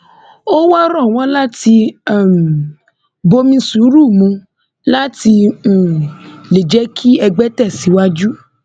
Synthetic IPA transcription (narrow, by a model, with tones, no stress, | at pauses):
o˦wa˦ɾɔ̃˦˨w̃ɔ̃˨˦la˦ti˧˦˨m˨ | bo˧mĩ˧su˨˦ɾu˦˨mũ˧˦ | la˦tĩ˧˨ | le˨d͡ʒɛ˨˦kʰi˦ɛ˧ɡ͡bɛ˦tɛ˦˨si˨˦wa˦d͡ʒu˦